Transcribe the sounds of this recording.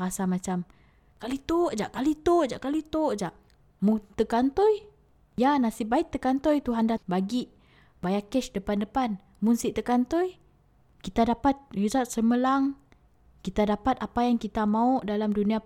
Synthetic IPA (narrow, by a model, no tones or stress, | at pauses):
ɾasamat͡ʃam | kalit̪oʔd͡ʒaʔkalit̪oʔd͡ʒaʔkalit̪oʔd͡ʒaʔ | munt̪əkant̪ɔj | janasibaiʔt̪ːəkant̪ojt̪uɦandabaɡiʔ | bajakɛʃdəpandəpan | munsiʔt̪əkant̪ɔj | kit̪adapat̪̚jisaʔsəməlaŋ | kit̪adapat̪̚apajaŋkit̪amauʔdalamdunia